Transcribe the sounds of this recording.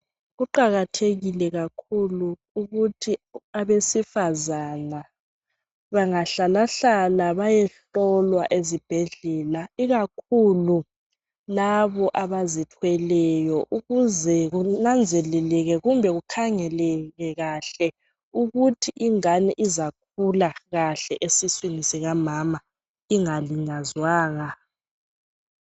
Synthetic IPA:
ɣuǃaɣatʰeɣilɛɣakʰuluː | ɣutʰiaβesifazana | βaŋaɬalaɬalaβajɛɬ | ɔlwaʔezib̥ʱɛɮɛlaiɣakʰulu | laβɔʔaβazitʰwɛlɛjɔʔuɣuzɛɣunand͡zʱɛlɛlɛɣɛɣumbʱɛɣukʰaŋɛlɛɣɛɣaɬɛ | uɣutʰiʔiŋaniʔizak̚ʰulaɣaɬɛʔesiswinisiɣamama | iŋaliɲazwaːŋa

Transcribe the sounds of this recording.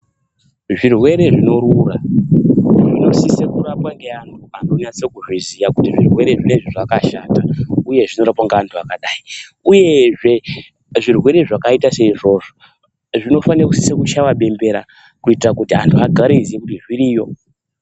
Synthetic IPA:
ʐirwe̞ɾe̞ʐino̞ɾura | ʐino̞sisekuɾapwaŋɡeantʰuantonat͡sekuʐizijakutiʐirwe̞ɾe̞ʐine̞ʐiʐakaʃatauje̞ʐino̞ɾapwaŋɡeantʰuakaɗaiuje̞ʐe̞ | ʐirwe̞ɾe̞ʐakaitase̞iʐo̞ːʐo | ʐino̞fanirakusi̥sekut͡ʃawaɓe̞mbe̞ɾa | kuitirakutiantʰuaɡʱaɾeizijekutiʐiɾiːjo̞

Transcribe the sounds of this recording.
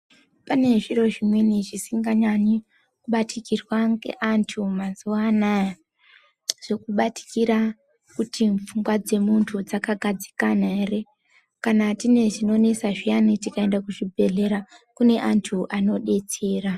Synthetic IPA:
pane̞ʐiɾo̞ʐimweniʐisiŋɡaɲaɲi | kuɓatʰikirwaŋɡe̞̰ʔantʰumazuwaːnaja | ʐ̥o̞kuɓati̥kiɾa | kutiɱp͡fuŋɡwad͡ze̞muntʰud͡zakaɡʱad͡zi̥kanaere | kanatine̞ʐino̞nesaʐijanitikae̞ndakuʐibʱe̞ɮe̞ɾakune̞ʔantʰuʔano̞ɗe̞t͡se̞ːra

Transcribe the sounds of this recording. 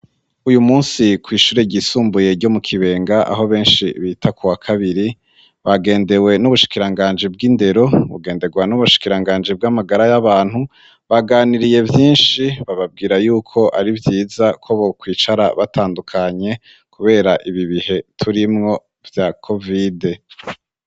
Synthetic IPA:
ujumuːnsikwiːʃuːɾeɟisuːmbuje̞ɾɟo̞mukʰiβe̞ːŋɡaʔa̰ɦo̞βe̞ːnʃiβiːtʰakʰuwakʰaβiɾi | βaɡe̞ːnde̞we̞nuβuʃi̥kiɾaŋɡaːɲd͡ʒib̚ɡinde̞ɾo̞βṵɡe̞ːnde̞ɡwanuβuʃi̥kiɾaŋɡaːɲd͡ʒib̚ɡamaɡaɾajaβaːn̥hu | βaɡaːniɾije̞vjiːnʃiβaβab̚ɡiːɾajuːkʰo̞ʔaɾivjiːzakʰoβokwiːt͡ʃaɾa̰βatʰaːndukʰaɲe̞ | kʰuβe̞ːɾaʔiβiβihe̞tʰuɾimŋo̞ | vjakʰo̞vide̞

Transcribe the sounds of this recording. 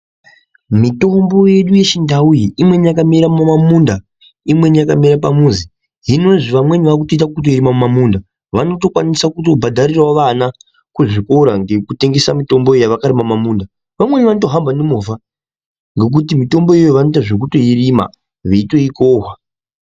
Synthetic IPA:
mito̞mbo̞je̞ɗuje̞ʃindaujiimwe̞nijakamiɾamumamunda | imwe̞nijakamiɾap̬amuːnzi | ɦino̞ʐiʋamwe̞niʋak̬uto̞it̬akkut̬o̞iɾimamumamuːnda | ʋano̞to̞kwanisakuto̞bʱadʱarirwaʋana | kuʐiko̞ɾaŋɡe̞kute̞ŋɡe̞samito̞mbo̞ejaʋakaɾimamamuːnda | ʋamwe̞niʋanoto̞ɦambanemova | ŋɡe̞k̬utimito̞mbo̞jejoʋanotaʐek̬uto̞irima̰ | ʋeitweikoːɦwa

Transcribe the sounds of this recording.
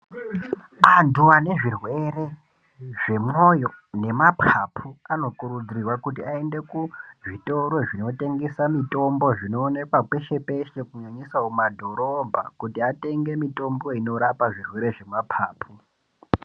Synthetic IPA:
anduʋane̞ʐirwe̞ɾe̞ | ʐe̞mojo̞ | ne̞mapʰapʰuano̞kuɾud͡zirirwakutiae̞nde̞kuʐito̞ɾo̞ʐino̞te̞ŋɡesamito̞mbo̞ʐino̞ːne̞kwake̞ʃe̞pe̞ʃe̞kuɲaɲisaomadʱo̞ɾo̞bʱa̰kutiate̞ŋɡe̞mito̞mbo̞ino̞ɾapaʐirwe̞ɾe̞ʐe̞mapʰaːpʰu

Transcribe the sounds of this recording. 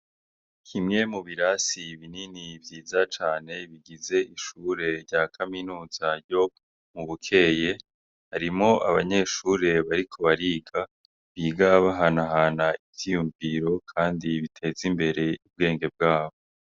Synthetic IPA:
kʰimŋe̞muβiɾasiβininivjiːzat͡ʃaːne̞βiɡize̞ʔiʃuɾe̞ɾɟaːkʰaminuːz̥aɾjo̞ | muβukʰe̞je̞ | haɾimo̞ʔa̰βaɲe̞ʃuːɾe̞βaɾikʰo̞βaɾiːɡa | βiːɡaβaɦanaɦanaivtijuɱviːɾo̞kʰaːndiβitʰe̞ːzimbe̞ɾe̞ub̚ɡe̞ːŋɡe̞b̚ɡaːβo

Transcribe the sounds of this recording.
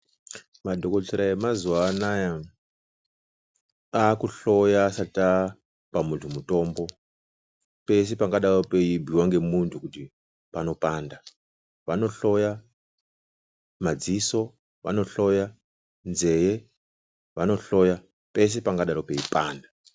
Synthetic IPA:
madʱokoɬʰeɾaemazuwanaja | akuɬo̞jaːsata | pamuntʰumuto̞ːmbo̞ | pe̞s̬epaŋɡaɗaropeibʱiwaŋɡe̞muntʰukuti | pano̞paːnda | ʋano̞ɬo̞ja | mad͡ziso̞ | ʋa̰no̞ɬoja | nze̞je | ʋano̞ɬo̞ja | pe̞s̬e̞paŋɡaɗaɾope̞ipaːnda

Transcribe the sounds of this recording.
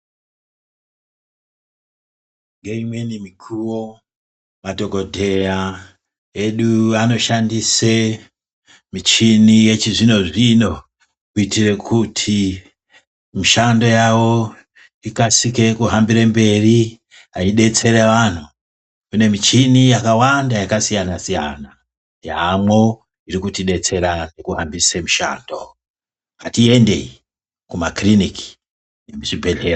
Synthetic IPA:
ŋɡeimwe̞nimikʰuwo | mato̞ko̞dʱe̞ja | eɗuano̞ʃandise | mit͡ʃinije̞t͡ʃiʐino̞ʐino̞ | kuitire̞kʰutʰi | miʃando̞jawo̞ | ikasike̞kuɦambiɾembe̞ri | at͡ʃiɗe̞t͡se̞ɾeʋan̤u | kune̞mit͡ʃinijakawandajakasijanasija̰na | jamwo̞ | iɾikutiɗe̞t͡se̞ɾane̞kuɦambisemuʃa̰ːndo̞ | atie̞nde̞̰i | kumakriniki̥ | jemit͡ʃibʱe̞ɮe̞ro

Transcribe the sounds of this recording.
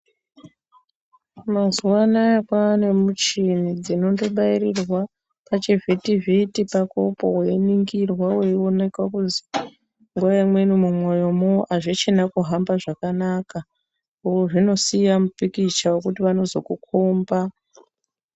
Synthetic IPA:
mazuwanaakwaːne̞mut͡ʃinid͡zino̞ndo̞ɓairirwa | pat͡ʃivʱitivitipakopo̰weniŋɡirwaweione̞kwakuzi | ŋɡuajamwe̞numumwo̞jo̞moʔaʐit͡ʃenakuɦambaʐakanaka | ukoʐino̞sijamupikit͡ʃawekutiʋano̞zo̞kukʰomba

